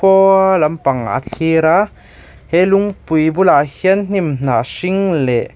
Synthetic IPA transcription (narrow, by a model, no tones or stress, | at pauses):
ɔlɐmpaŋa̰t͡ɬʰiɾa | hɛjluŋpujbulahiənn̥imn̥aːsiŋlɛʔ